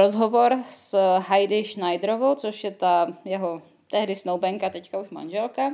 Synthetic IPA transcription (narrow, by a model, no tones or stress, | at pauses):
ɾozɦovo̞ɾsɦajdɪʃnajdɾovowt͡soʃjɛt̪ajɛɦo | t̪ɛɦdɪsnowbɛŋkat̪ɛckauʃma̰nʒɛlka